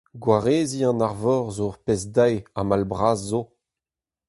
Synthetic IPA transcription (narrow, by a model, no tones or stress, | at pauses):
ɡwaʁeːziɑ̃naʁvɔʁzoʁpezdajamalbʁaːzːo